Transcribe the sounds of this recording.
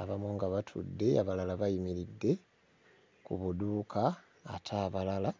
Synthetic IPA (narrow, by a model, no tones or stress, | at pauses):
aβamoːŋɡaβatʰṵdːe̞a̰βalalaβajimiɾidːe̞ | kuβuduːkʰaː | tʰaːβalala